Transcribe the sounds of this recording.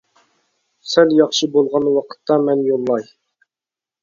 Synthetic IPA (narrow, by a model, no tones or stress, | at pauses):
sɛljɑχʃɨbolˠʁɑnwɑqʰə̥t̪ːɑmɛnjolˠːɑj